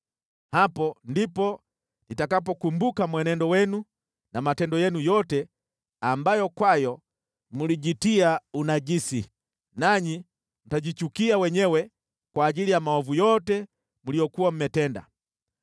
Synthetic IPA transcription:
hapɔndipɔ | nitakapɔkumbukamwɛnɛndɔwɛnu | namatɛndɔjɛnujɔtɛ | ambajɔkwajɔ | muliɟitiaunaɟisi | naɲi | m̩taɟit͡ʃukiawɛɲɛwɛ | kwaːɟilijamaɔvujɔtɛ | mulijɔkuwam̩mɛtɛnda̰

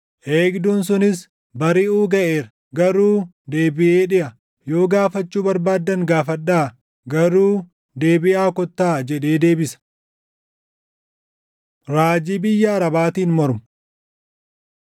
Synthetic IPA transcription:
ʔeːɡd̪uːns̬ʊnɪs | bɐɾɪuːɡɐʔe̞ːɾɐ | ɡɐɾuː | d̪e̞ːbɪʔe̞ːᶑɪʔɐ | jo̞ːɡaːfɐt͡ʃːuːbɐɾbaːd̪ːɐŋɡaːfɐᶑːaː | ɡɐɾuː | d̪e̞ːbɪʔaːkɔt̪ːaːd͡ʒɛᶑ̪e̞ːd̪e̞ːbɪsɐ̥ | ɾaːd͡ʒiːbɪjːɐːɾɐbaːt̪iːnmɔɾmʊ̥

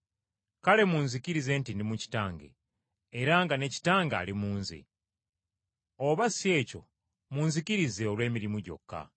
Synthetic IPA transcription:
kale̞muːnzikiɾize̞ntindimuci̥taːŋɡḛː | ɾaŋɡane̞ci̥taːŋɡa̰ːlimuːnzḭ | oβasie̞ːco̞̰ | munzikiɾize̞olwe̞ːmiɾimuɟo̞̰kːa̰

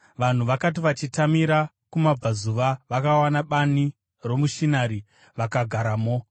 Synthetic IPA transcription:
ʋan̤uʋakat̬iʋat͡ʃitamiɾa | kumab͡vazuʋaʋakawanaɓani | ro̞muʃinaɾi | ʋakaɡʱaɾamo

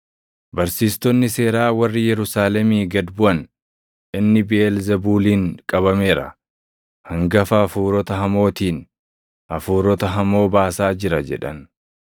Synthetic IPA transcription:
bɐɾsiːst̪ɔnːɪse̞ːɾaːwɐrːɪjɛɾʊsaːlɛmiːɡɐd̪bʊʔɐn | ʔɪnːɪbɪelzɛbuːliːŋkʼɐbɐme̞ːɾɐ̰ | hɐŋɡɐfɐːfuːɾɔt̪ɐɦɐmo̞ːt̪iːn | ʔɐfuːɾɔt̪ɐɦɐmo̞ːbaːsaːd͡ʒɪɾɐd͡ʒɛ̰ᶑɐ̰n

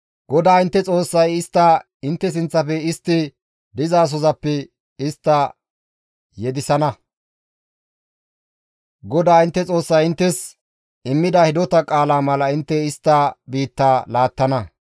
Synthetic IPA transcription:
ɡ̥ɔd̪aːɪnt̪ːɛt͡sʼo̞ːsːɐjɪst̪ːɐ | ɪnt̪ːɛs̬ɪnt͡sːɐfɛɪst̪ːɪ | d̪ɪzaːs̬ɔzɐpːɛ | ɪst̪ːɐ | jɛd̪ɪsɐnɐ | ɡɔd̪aːɪnt̪ːɛt͡sʼo̞ːsːɐjɪnt̪ːɛs | ɪmːɪd̪ɐhɪd̪ɔt̪ɐkʼaːlaːmɐlɐɪnt̪ːɛɪst̪ːɐbiːt̪ːaːlaːt̪ːɐnɐ

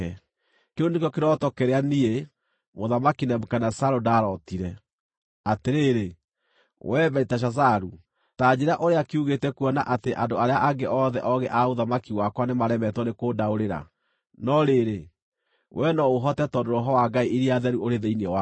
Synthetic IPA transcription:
ɛ | keonek̬ɔkeɾɔtɔkɛɾeanie | moðamakinɛmokanasaɾodaɾɔtiɾɛ | ateɾeɾe | wɛbɛɾitaɕ̬as̬aɾu | tad͡ʑeɾaʔoɾeakeuɣetɛkuɔnaʔateʔandoaɾeaʔaɡeʔɔðɛʔɔɣɛʔaoðamakiwakwanemaɾɛmɛtɔnekoːdaoɾeɾa̰ | nɔɾeɾe | wʔɛnɔoɦɔtɛtɔndoɾɔɦɔwaɡaiʔiɾiaðɛɾuoɾeðeineɔwa

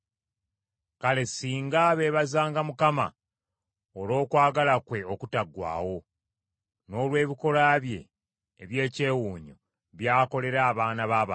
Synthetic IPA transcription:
kale̞siːŋɡaβe̞βazaːŋɡamukama̰ | olo̞ːkwaːɡalakwe̞o̞kutaɡwa̰ːwo̞ | no̞ːlwe̞ːβiko̞laβje̞̰ː | βje̞ːce̞ːwuːɲo | βjaːko̞le̞ɾaːβaːnaβaːβa

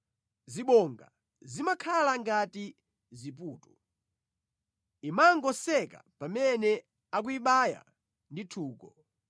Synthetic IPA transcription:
ziɓɔŋɡa̰ | zimakʰalaŋɡati | zip̬uːtu | imaŋɡɔsɛka̰pamɛnɛ | ak̬uiɓaja̰ | nditʰuːkɔ

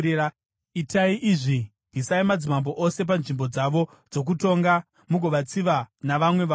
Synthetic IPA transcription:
itaiʔiʐi | ɦisaimad͡zimambo̞ʔose̞p̬anʐimbo̞d͡zaʋo̞ | d͡zo̞k̬uto̞ŋɡa | muɡʱo̞ʋat͡siʋanaʋamwe̞ʋa

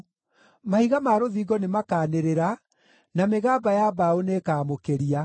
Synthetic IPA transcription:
mahiɣamaːɾoðiːɡɔnemakaːneɾeɾa | nameɣaːbajabaonekaːmokeɾia

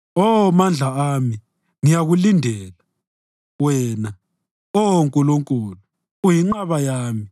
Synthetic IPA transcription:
ɔmand͡ɮʱaami | ŋijaɣulindʱɛːla | wɛːna | ɔŋkʼuluŋkʼuːlu | ujiŋ͡ǃaβajaːmi

